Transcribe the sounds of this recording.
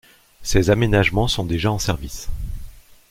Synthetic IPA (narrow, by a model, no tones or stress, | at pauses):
sezamenaʒmɑ̃sɔ̃d̪eʒaɑ̃sɛʁvis